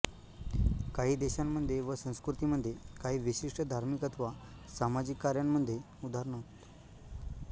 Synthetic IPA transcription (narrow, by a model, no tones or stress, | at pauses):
kaɦiːd̪eɕamːəd̪ʱjeʋəsə̃w̃skɾut̪iməd̪ʱjekaɦiːʋiɕiʂʈəd̪ʱaɾmikət̪ʰʋa | samad͡ʑikːaɾjamːəd̪ʱje | ud̪ʱaɾɳəɦt̪